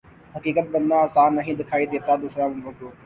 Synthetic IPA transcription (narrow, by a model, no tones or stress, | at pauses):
ɦɐkiːkət̪̚bɐ̃nd̪ãːsaːnːɐɦĩd̪ɪkʰaːid̪eːt̪ad̪uːsɾamʊ̃ʋəkoː